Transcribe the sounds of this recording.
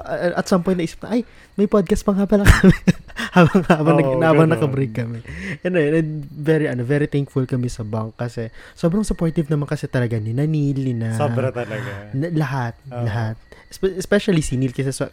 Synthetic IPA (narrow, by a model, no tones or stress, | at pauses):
ʔʔɐt̪sɐmpɔj̃t̪ɐʔiːsi̥p̚nɐʔaj | mɐjpod̪̚kɐst̪̚pɐŋhapɐlɐkɐmɛhabɐŋhaːbɐnɐɡhaːbɐŋnɐkɐbɾekːɐmɛʔɐnojnɐvɛɾiʔɐnovɛɾit̪ɛŋkfʊlkɐmɛsɐbɐŋkːɐsɛsoːbɾɐŋsʊpoɹt̪ɪvnɐmaŋkɐsɛt̪ɐlɐɡanɪnɐniːlɪnɐoɾɐt̪ɐlɐɡnɐlɐɦat̪̚lɐɦat̪̚spɛspɛʃɐlisinilkɐsɛso